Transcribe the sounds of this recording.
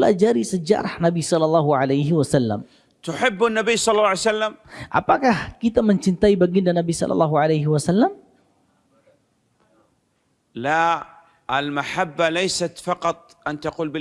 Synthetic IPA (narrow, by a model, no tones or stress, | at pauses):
la̰d͡ʒaɾisəd͡ʒa̰ɾˤɑhnabisɑlːɑlːɑɦuʕalajɦɪwasalːa̰m | t̪ʊħɪbːanːabiːsˤɑlːlːɑʕjsalːamʔa̰pakahkit̪aməɲt͡ʃint̪aibaɡindanabisɑ̰lʔɑ̰lːɑɦuʕalajɦɪwasalːam | la | ʔalmaħabːalajsat̪fɑqɑt̪ˤʔant̪aquːlbɪ